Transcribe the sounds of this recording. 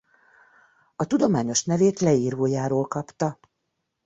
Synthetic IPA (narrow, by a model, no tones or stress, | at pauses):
ɒt̪ud̪o̞maːɲo̞ʃnɛveːt̪lɛiːɾoːjaːɾoːlkɒpt̪ɒ